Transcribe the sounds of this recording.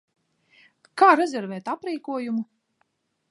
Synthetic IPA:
kaːɾɛzʲɛɾvɛːt̪apɾiːkuɔjumu

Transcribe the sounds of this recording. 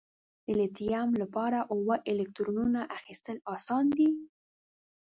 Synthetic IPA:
d̪̥əlet̪ijamlapɑɾaʔʊwəʔɪlekt̪ɾonunaʔaxist̪əlɑsɑnd̪i

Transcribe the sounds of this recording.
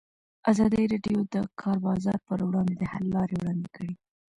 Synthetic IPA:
azɑd̪əɾɑɖjod̪əkʰɑɾbɑzɑɾpəɾwɽɑnd̪ed̪əhalːɑɾewɽɑnd̪ekəɽi

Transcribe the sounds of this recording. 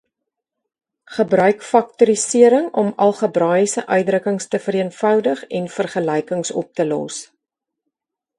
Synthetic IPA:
χəbrœɥkfɐk̚tuɾisiəɾəŋɔmɐlˠχəbrɑːjəsəʔœɥjdrəkəŋstəfəɾiənfœwdəχɛnfərχəlɛjkəŋsɔ̰p̚təlɔ̰s

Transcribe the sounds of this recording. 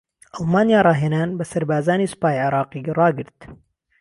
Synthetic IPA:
ʔɑlˠmaːnijaːɾˤɑːɦeːnaːnbɐsɐɾbaːzaːniːsʊ̥paːjʕɪɾˤɑːqirˤɑːɡɨɾt̪

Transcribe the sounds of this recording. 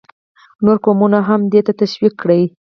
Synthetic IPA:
noɾkomunaɦamd̪et̪at̪aʃwikːɽəj

